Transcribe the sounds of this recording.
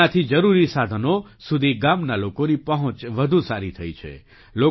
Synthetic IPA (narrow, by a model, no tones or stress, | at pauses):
at̪ʰid͡ʒəɾuɾisad̪ʱənosud̪ʱiɡamnalokonipəɦə̃t͡ʃʋəd̪ʱũsaɾit̪ʰəit͡ʃʰḛ | lo